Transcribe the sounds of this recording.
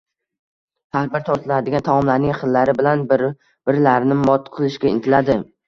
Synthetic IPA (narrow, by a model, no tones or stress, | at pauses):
haɾbɪɾt̪ʰɒɾt̪ʰɪlad̪ɪɡʲant̪ʰamɒmlaɾnɪŋχɨlːaɾɪbɪlanb | b̥ɪɾlaɾnɪmɒt̪qʰɨlˠɪʃkʲaɪ̰nt̪ʰɪlad̪ɪ